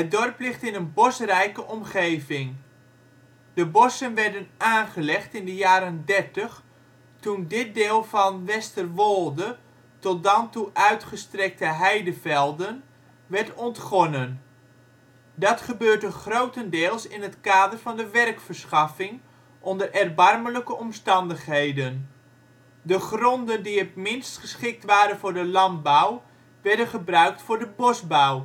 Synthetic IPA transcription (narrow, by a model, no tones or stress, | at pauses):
ədɔrplɪχtɪnənbɔsərɛjkəʔɔmχejvɪŋ | d̥əbɔsənʋɛrdənaːnχəlɛχtɪndəjaːɾəndɛrtəχ | tundɪt̚dɪːlˠvɑnʋɛstərʋolˠdə | tɔt̚dɑntuʔœɥtχəstrɛk̚təɦɛjdəvɛlˠdən | ʋɛrtɔntχɔnən | dɑtχəbøːrdəχrowtəndɪːlˠsɪnətkaːdərfɑndəʋɛrkfərsχɑfɪŋ | ʔɔndərɛrbɑrmələkəʔɔmstɑndəχhɦejdən | dəχrɔndəndiətmɪnstχəsχɪk̚tʋaːɾənvʊːrdəlɑn̚baw | ʋɛrdənχəbrœɥktfʊːrdəbɔsbaw